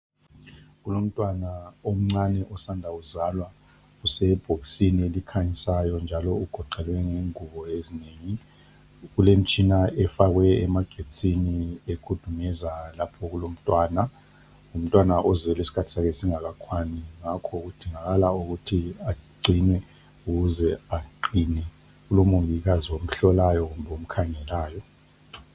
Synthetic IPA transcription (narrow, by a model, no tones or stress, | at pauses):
ɣulom̩tʼwanaom̩ŋ͡ǀanɛʔɔsandʱauzalwa | usɛb̥ʱoksinielikʰaɲisajɔnd͡ʒʱalɔuɡ̥ʱɔǃɛlwɛŋeŋuβɔezineːŋi | ɣulem̩t͡ʃʼinaɛfaɣwɛɛmaɡ̥ʱet͡sʼiniekʰud̥ʱumɛzalapʰɔɣulom̩tʼwaːna | um̩tʼwanaʔɔzɛlwesi̥kʰatʰi̥sakɛsiŋaɣakʰwaniŋakʰɔɣud̥ʱiŋaɣalauɣutʰiaɡ͡ǀʱinwɛ | uɣuzɛaǃinɛ | ɣulomuβiɣaziwom̩ɬɔlajɔɣumbʱɛom̩kʰaŋɛlaːjɔ